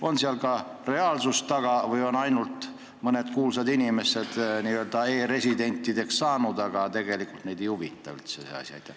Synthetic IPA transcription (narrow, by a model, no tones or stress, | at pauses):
o̞nsiɑlkɑ | re̞ɑlsust̪ɑɡ̥ɑvɯjo̞nɑjnult̪ | mɤne̞t̪kuːlsɑd̪inʲime̞sed̪̥niːøld̪ɑeːɾe̞sʲid̪e̞nʲt̪ʲːˑid̪̥e̞ksːɑːnud̪ɑɡ̥ɑt̪e̞ɡ̥e̞likult̪nejd̪ejuvit̪ːˑɑ̰y̰lt̪seseɑ̰sʲj̰ḛjt̪ːˑæ